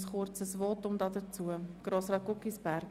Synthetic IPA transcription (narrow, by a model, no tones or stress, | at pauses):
sχʊrt͡səsvɔːtʊmdɑdət͡suəɡ̥roːsrɑːt̚ɡ̥ʊkisb̥æɾk